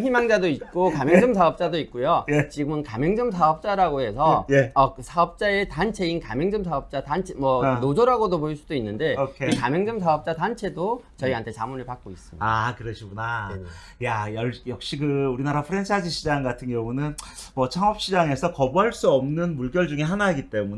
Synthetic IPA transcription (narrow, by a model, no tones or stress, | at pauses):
çimaŋd͡ʑadoit̚k͈okamjʌŋd͡ʑɯmsʰaʌp̚t͡ɕ͈adoit̚k͈ujoet͡ɕiɡɯmɯnkamjʌŋd͡ʑɯmsʰaʌp̚t͡ɕ͈aɾaɡoɦe̞sʰʌjeʌsʰaʌp̚t͡ɕ͈ae̞tant͡ɕʰe̞inkamjʌŋd͡ʑɯmsʰaʌp̚t͡ɕ͈atant͡ɕʰemʌnod͡ʑoɾaɡodopoiɭs͈udoinːɯnde̞okʰeikamjʌŋd͡ʑɯms̬ʰaʌp̚t͡ɕ͈atant͡ɕʰe̞dot͡ɕʌiɦantʰe̞t͡ɕamunɯɭpak̚k͈ois͈ɯmidakɯɾʌɕʰiɡuna | jajʌɭjʌk̚ɕ͈ikɯuɾinaɾapʰɯɾent͡ɕʰad͡ʑiɕʰid͡ʑaŋɡatʰɯnɡjʌŋunɯn | mʌt͡ɕʰaŋʌp̚ɕ͈id͡ʑaŋe̞sʰʌkʌbuɦaɭs͈uʌmnɯnmuɭɡjʌɭd͡ʑuŋe̞ɦanaiɡit͈e̞mune